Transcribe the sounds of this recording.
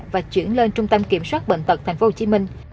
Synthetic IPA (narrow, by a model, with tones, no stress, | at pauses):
vaː˨˩t͡ɕwḭ˧˩ənle˧nt͡ɕʊ˧ŋ͡mt̪ə˧mki˧˩əmswaː˦˥t̚ɓə̰˧˨n̟t̪ə˨˩t̪ʰɛ˨˩ŋ̟fo˧ho˧t͡ɕi˧˦mï˧ŋ̟